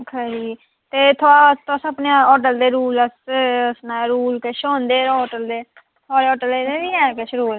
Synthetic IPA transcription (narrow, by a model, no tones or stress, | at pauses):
kʰad͡ʒiː | t̪eːt̪ʰoaːt̪asəpnãɔːʈ̬əld̪eːɾuːləsəsnãːɾuːlkəʃõːnd̪eːɔːʈəld̪eː | t̪ʰaːɾeːɔːʈəleneːʋiːɛ̃ːkeʃəɾuːɾ